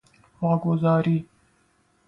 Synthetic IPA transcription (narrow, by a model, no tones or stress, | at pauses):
waːɡʊzɑːɾiː